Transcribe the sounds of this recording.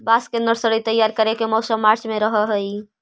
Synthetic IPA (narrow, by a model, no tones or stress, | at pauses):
baskẽnd̪əɾsəɾət̪əjaɾkəɾekemɔsəmːaɾt͡ʃmeɾəɦəɦəj